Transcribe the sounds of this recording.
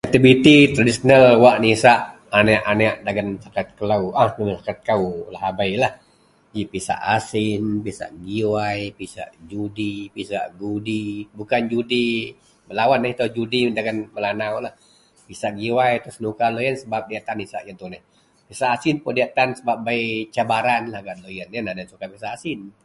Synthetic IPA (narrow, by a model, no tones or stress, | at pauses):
ak̚t̪ibit̪it̪ɾadisonalwaʔnisaʔ | anɛʔanaʔdaɡansakat̪̚kəlauahnəmsakat̪̚kawlaɦabajlah | d͡ʒipisa̰ʔasɪnpisa̰ʔɡiwajpisa̰ʔd͡ʒudipisa̰ʔɡudibukand͡ʒudi | məlawanːɪht̪ad͡ʒudidaɡanməlanawlah | pisaʔɡiwajt̪ɾʊsnukalojənsəbap̚diat̪anisaʔjant̪unɛh | pisaʔːsɪnpʊdiat̪ansəbap̚bait͡ʃabaɾanlahɡalojənanadajansukapisaʔːsɪn